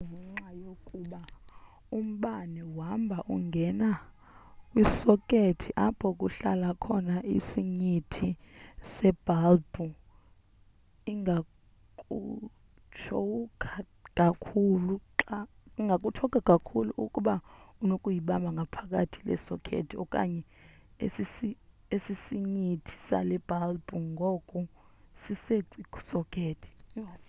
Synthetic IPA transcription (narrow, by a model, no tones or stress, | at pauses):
ŋɛŋ͡ǁajokʼuɓa | um̩ɓanɛwambʱaʔuŋɡʱɛna | wisɔkʼetʰiʔapʰɔk̬ʼuɬa̰lakʰɔnaʔḭsiɲitʰisɛb̥ʱalbu | iŋa | kʼu | t͡ʃʰɔkʰa | kʼakʰuluǁaiŋɡʱakʼutʰɔkʼakʼakʰulṵʔukʼuɓaunokʼujiɓamaŋɡʱapʰak̬ʼatʰilɛ̰sɔ̰kʰḛtʰiɔ̰kʼa̰ɲɛesisi | esisiɲitʰi̥sa̰lɛb̥ʱalbʼuŋɡʱɔkʼu | siseɡʱwiɡ̥sɔkʰʼeːtʰi̥